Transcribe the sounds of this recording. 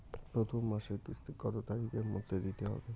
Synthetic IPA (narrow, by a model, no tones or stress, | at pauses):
pɾot̪ʰomːaʃeɾkisʰt̪ʰiɡɔt̪ot̪aɾiɡeɾmo̰d̪ʱːed̪it̪eɦɔ̰be